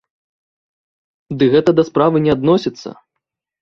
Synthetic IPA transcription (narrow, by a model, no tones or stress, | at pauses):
d̪ɨɣɛt̪ɐd̪ɐspɾavɨnʲɛad̪nɔsʲit̪sːɐ̰